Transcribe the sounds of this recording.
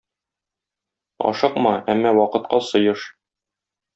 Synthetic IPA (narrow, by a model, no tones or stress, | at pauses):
ɒ̰ʃɤqmɑæmːɑwɒqɤ̆t̪̚qɑsɤ̆jɤʃ